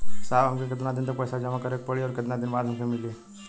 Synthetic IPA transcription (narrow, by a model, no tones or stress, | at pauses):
saʋamkek̬ed̪unad̪int̪̬əpəjsad͡ʒamakəɾek̚pəɭiɔɾket̪unad̪inʋaɽʱamkemile